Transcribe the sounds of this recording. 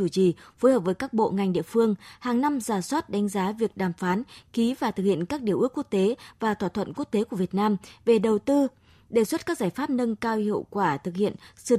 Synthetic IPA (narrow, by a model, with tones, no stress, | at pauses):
u˧˩t͡ɕḭ˧˨foː˨˦jhəː˨˩p̚vəː˨˦jkaː˦˥k̚ɓo̰˧˨ŋa˨˩jŋ̟ɗḭ˧˨əfɨ˧əŋhaː˨˩ŋna˧mzaː˧˩swaː˦˥t̚ɗa˨˦ŋ̟zaː˨˦vi˨˩ək̚ɗaː˨˩mfaː˨˦nki˨˦vaː˨˩t̪ʰɨ˨˩hḭ˧˨ənkaː˦˥k̚ɗi˧˩əʔɨ˦˥əkːu˦˥ək̚t̪e˨˦vaː˨˩t̪ʰwaː˧˩t̪ʰə̰˧˨nku˦˥ək̚t̪e˨˦ku˧˩əvət̚naː˧mve˨˩ɗə˨˩wt̪ɨ˧ | ɗe˧˩swə˦˥t̚kaː˦˥k̚z̥aː˧˩jfaː˦˥p̚nə˧ŋkaː˧whḭ˧˨əwkwaː˧˩t̪ʰɨ˨˩k̚hḭ˧˨ənsɨ̰˧˩